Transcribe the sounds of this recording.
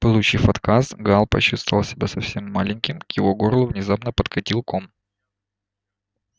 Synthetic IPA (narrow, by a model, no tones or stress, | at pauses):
pɨlˠʊt͡ɕifɐt̪kasɡalˠpɐ̰ɕːust̪vəlˠsʲɪbʲasɐfsʲemːalʲɪnʲkʲɪmkjɪvo̞ɡoɾlˠʊvnʲɪzapnəpət̪kɐtʲilˠkom